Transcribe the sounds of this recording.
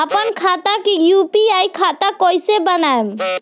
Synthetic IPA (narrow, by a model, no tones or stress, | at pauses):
əpənkʰat̪akejupiajkʰat̪akojsebənaem